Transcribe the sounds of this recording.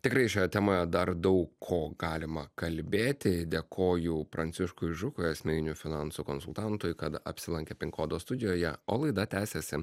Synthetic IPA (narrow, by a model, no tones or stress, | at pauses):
t̪ʲɪkɾɐɪʃʲoːjɛt̪ʲɛːmoːjɛd̪ɐɾd̪ɐʊkʰoːɡɑːlʲɪmɐkɐlʲbʲeːt̪ʲɪd̪ʲeːkʰoːjʊpɾɐnʲtsʲɪʃkʊɪʒʊkʊjɐsʲmʲɛnʲɪnʲufʲɪnɑnsuːkoːnsʊlˠt̪ɑnt̪ʊjkɐt̪ɐ̰pʲsʲɪlˠɐŋʲkʲeːpʲɪŋkoːd̪oːst̪ʊd̪ʲɪjoːjɛoːlˠɐɪd̪ɐt̪ʲæːsʲesʲɪ